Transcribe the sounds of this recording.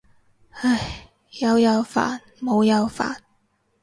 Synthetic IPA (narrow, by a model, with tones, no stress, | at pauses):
a˧˩j | jɐ˨˧wjɐ˨˧wfa̰ː˨˩n | mo˨˧wjɐ˨˧wfa̰ː˨˩n